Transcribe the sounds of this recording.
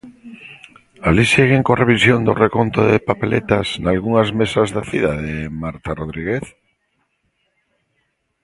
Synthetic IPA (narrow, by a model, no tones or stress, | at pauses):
aliseɣ̞eŋkoreβisjond̪o̰rekont̪oðepapelet̪asnalɣuŋazmesazðaθiðaðemaɾt̪aroð̞ɾiɣeθ